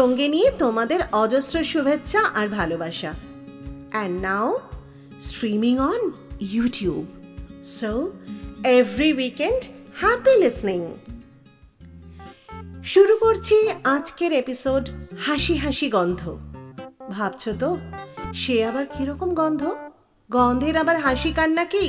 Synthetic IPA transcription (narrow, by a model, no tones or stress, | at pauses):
ʃoŋɡenijet̪omad̪eɾɔd͡ʑosɾoʃubʱetːɕʰaʔaɾbʱalobaʃa | ɛɳɖnaʊ | sʈɾimiŋɔn | juʈijubso | evɾiwikenɖhɛpilisniŋ | ʃuɾukoɾt͡ɕʰiad͡ʑkeɾepisoɖhaʃiɦaʃiɡɔnd̪ʱo̰ | bʱabt͡ɕʰot̪oʃeabaɾkiɾɔkomɡɔnd̪ʱo | ɡɔnd̪ʱeɾabaɾɦaʃikanːaki